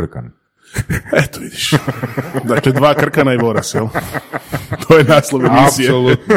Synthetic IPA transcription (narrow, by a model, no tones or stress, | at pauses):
rka̰n | ɛt̪oʋid̪iʃ | zakled̪ʋaːkr̩kanaiboɾasɛl | t̪ʰojenaːslˠoʋemisijel